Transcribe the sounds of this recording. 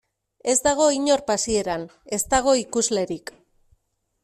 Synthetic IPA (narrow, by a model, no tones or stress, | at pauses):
e̞zd̪aɣ̞o̞iɲo̞ɾpasie̞ɾan | e̞st̪aɣ̞o̞ikuzle̞ɾik